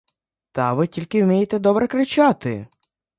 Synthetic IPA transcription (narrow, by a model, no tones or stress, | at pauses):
t̪ɐʋɪtʲilʲkɪwmʲijet̪ɛd̪ɔbɾɛkɾɪt͡ʃɑt̪ɪ̰